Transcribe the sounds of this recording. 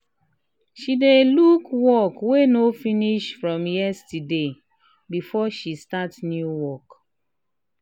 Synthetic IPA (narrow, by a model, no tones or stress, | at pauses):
ʃidelukwɔkwenofiniʃfɹɔ̃mjɛstide | bifɔʃistatnjuwɔk